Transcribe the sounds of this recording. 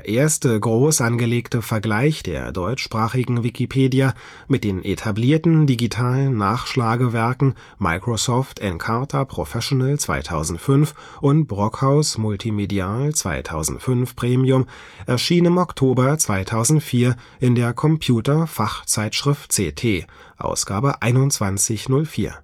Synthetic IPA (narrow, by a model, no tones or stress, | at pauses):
d̥ːɐʔeːɐstəɡʁoːsʔanɡəleːktəfɛɐɡlaɪçd̥ḛːɐdɔʏt͡ʃʃpʁ̥aːχɪɡŋ̩vikʰipʰeːdija | mɪt̚d̥eːnʔetʰabliːɐtn̩diɡitʰaːlən̩ːaːχʃlaːɡəvɛɐkŋ̩ | ma̰ɪkʁ̥osɔftɛnkʰaɐtʰɐpʁ̥o̰fɛʃonɛlt͡sv̥a̰ɪtʰa̰ʊzn̩tfʏnf | ʔʊnt̚b̥ʁɔkhaʊsmʊltʰimediaːlt͡sv̥a̰ɪtʰa̰ʊzn̩tfʏnfpʁ̥eːmiʊm | ʔɛɐʃiːnɪmɔktʰoːbɐt͡sv̥aɪtʰaʊzn̩tfiːɐ | ʔɪndeːɐkʰɔmpʰjuːtɐfaχt͡saɪtʃʁ̥ɪftt͡seːtʰeː | ʔa̰ʊsɡ̥aːbəʔa̰ɪnʊnt͡sv̥ant͡sɪçnʊlfiːɐ